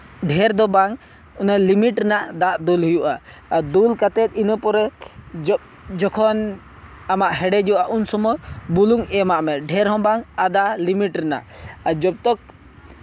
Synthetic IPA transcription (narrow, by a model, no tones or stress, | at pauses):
ɖʱɛɾd̪ɔbaŋ | ɔnalimiʈɾɛnaʔd̪aʔd̪ulɦujuʔaː | d̪ulkat̪ɛt̪̚inɔpɔɾɛd͡ʒɔ | d͡ʒɔkʰɔn | amaʔhɛɖɛd͡ʒuwʔaʔunsɔmɔjbuluŋɛmaʔmɛɖʱɛɾɦɔ̃baŋad̪alimiʈɾɛna̰ʔad͡ʒɔb̚t̪ɔk̚